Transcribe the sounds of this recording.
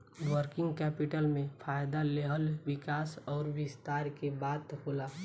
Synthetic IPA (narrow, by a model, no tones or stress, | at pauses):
ʋəɾkɪ̃ŋɡkɛːpɪʈəlmẽfʰaːjd̪aleɦəlʋɪkaːsɔːɾʋɪst̪aːɾkebaːd̪hoːlaː